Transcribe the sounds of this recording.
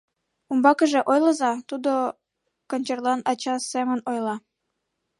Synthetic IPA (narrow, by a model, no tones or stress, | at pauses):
umbɑkəʒeʔojləzɑt̪ud̪o | kənʲt͡ɕerlɑnɑt͡ɕɑsemənojlɑ